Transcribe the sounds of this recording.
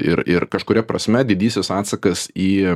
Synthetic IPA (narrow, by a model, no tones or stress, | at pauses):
ɪ̰ɾɪɾkɐʃkʊɾʲɛpɾɐsʲmʲɛd̪ʲɪd̪ʲiːsʲɪsɑːt̪sɐkɐsiː